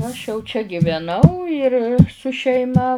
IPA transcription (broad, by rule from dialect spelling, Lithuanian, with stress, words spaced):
ɐʃ jɛʊ t͡ʃʲɛ ɡʲɪʋʲɛˈnɐʊ ɪr sʊ ʃʲɛɪˈmɐ